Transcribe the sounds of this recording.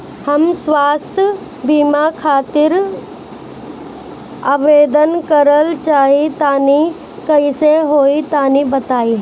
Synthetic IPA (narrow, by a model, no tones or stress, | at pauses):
hɐmsʋaːst̪ʰə | biːmakʰaːt̪ɪɾ | aːʋeːd̪ənkəɾəlt͡ʃaːɦit̪aːni | kɐiseɦoːit̪aːnibɐt̪aːi